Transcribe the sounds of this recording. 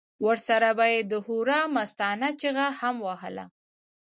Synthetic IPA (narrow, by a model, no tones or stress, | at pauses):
wəɾsaɾabajed̪əhuɾɑmast̪ɑnat͡ʃeɣahamwahə̰la̰